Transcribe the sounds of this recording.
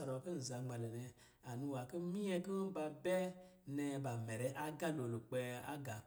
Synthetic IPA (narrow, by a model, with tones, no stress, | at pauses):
a˨ɾo˨ke˦n̩˨za˧ŋ͡ma˨le˨ne˧ | a˨nũ˧wa˨ke˦mi˦ɛ˧ki˦ba˧bɛ˦ | ne˧ba˨mɛ˨ɾɛ˧ʔa˦ɡa˦lo˨lo˨k͡pe˧a̰˦ɡa˨